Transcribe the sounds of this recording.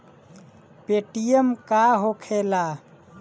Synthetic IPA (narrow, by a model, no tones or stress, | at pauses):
peʈijəmkaɦokʰela